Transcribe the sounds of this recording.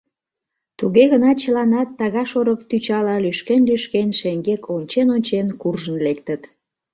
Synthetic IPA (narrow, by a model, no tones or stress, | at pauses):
t̪uɣeɣənɑt͡ɕəlɑnɑt̪ːɑɣɑʃoɾəkt̪yt͡ɕɑlɑlyʃkenlyʃkenʃeŋɡekʰonʲt͡ɕenonʲt͡ɕenkurʒənlek̚t̪ət̪